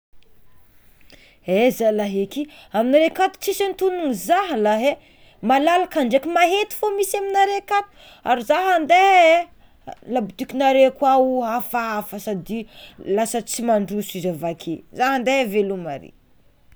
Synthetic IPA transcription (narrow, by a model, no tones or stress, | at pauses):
ezalaɦekiaminaɾekat̪u̥t͡sisant̪ununizaɦlaɦe | malalakaɳɖ͡ʐekimaɦet̪i̥fomisaminaɾekat̪u̥ | a̰ɾizaɦand̪e | labut̪ikʲinaɾekwauafaafəsad̪ilasət͡simaɳɖ͡ʐusizavakʰezaɦand̪eavelumaɾḛ